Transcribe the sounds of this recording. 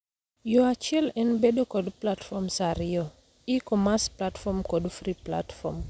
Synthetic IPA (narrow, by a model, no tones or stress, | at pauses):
joat͡ʃɪɛlɛnbedokɔdplatfɔmsaɾɪjo | ikɔmasplatfɔmkɔdfɾipla̰tfɔm